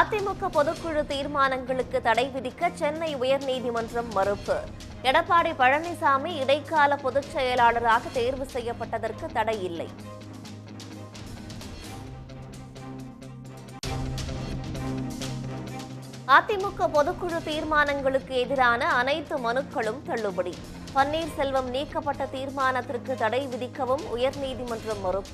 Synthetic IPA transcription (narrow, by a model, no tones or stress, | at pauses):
aːt̪ːɪmʊkːɐpɔðɯkːɯɻɯt̪iːɾmaːnɐŋɡɐɭɯkːɯt̪ɐɽɐɪʋɪðɪkːɐt͡ʃɛnːɐɪʊjɐɾniːðɪmɐndrɐmːɐɾɯpːɯ | ɛɽɐpːaːɽipɐɻɐnɪsaːmiɪɽɐɪkːaːlɐpɔðɯt͡ʃːɐjɐlaːɭɐɾaːɣɐt̪eːɾʋɯsɛjːɐpːɐʈːɐðɐrkɯt̪ːɐɽɐjɪlːɐ̰ɪ | aːt̪ːɪmʊkːɐpɔðɯkːɯɻɯt̪iːɾmaːnɐŋɡɐɭɯkːɯɛðɪɾaːnɐːnɐɪt̪ːɯmɐnɯkːɐɭɯmt̪ɐɭːɯbɐɽi | pɐnːiːɾsɛlʋɐmniːkːɐpːɐʈːɐt̪iːɾmaːnɐt̪ːɪrkːɯt̪ɐɽɐɪʋɪðɪkːɐʋɯmʊjɐɾniːðimɐndrɯmːɐrɯp